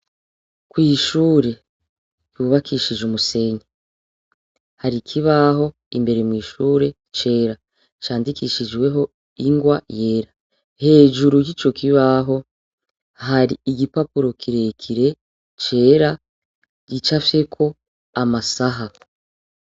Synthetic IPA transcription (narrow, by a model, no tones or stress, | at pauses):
kwiːʃuːɾe̞ | juːβakiʃiʒumuse̞ɲe | haɾikʰiβaɦo̞ | imbe̞ɾemwiːʃuːɾe̞ | t͡ʃe̞ːɾa | t͡ʃaːndikiʃiʒɡwe̞ɦo̞ | iŋɡwaje̞ːɾa | he̞ːʒuɾujit͡ʃo̞kʰiβaɦo̞ | ɦaɾiːɡipapuɾo̞kʰiɾe̞kʰiɾe̞ | t͡ʃe̞ːɾa | ɟit͡ʃafje̞kʰo̞ | amasaɦa